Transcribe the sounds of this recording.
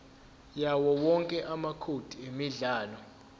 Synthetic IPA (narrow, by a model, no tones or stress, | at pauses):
jawɔwɔŋkʼɛʔamakʰod̥ʱiemiɮaːlɔ